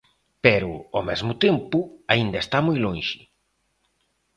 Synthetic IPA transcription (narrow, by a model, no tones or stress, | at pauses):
pɛɾʊomɛzmʊt̪empʊaind̪ɐest̪amojlõnʃɪ